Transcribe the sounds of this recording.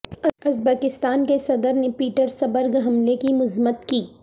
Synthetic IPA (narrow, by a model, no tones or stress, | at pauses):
ɐɐzbəːkɪst̪aːnkesɐd̪əɾnepiːʈəɾsɐbəɾɡɦɐmlekimʊzmət̪kiː